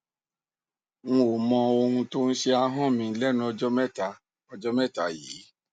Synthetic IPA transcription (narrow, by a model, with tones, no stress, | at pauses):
ŋũ˧o˨mɔ̃˧o˧hũ˧to˦n̩˦ʃe˧a˧ɦɔ̃˦˨mĩ˧˦lɛ˦nũ˧˦ɔ˧d͡ʒɔ˦mɛ˦˨ta˧ | ɔ˧d͡ʒɔ˦mɛ˦˨ta˨˦jiː˨˦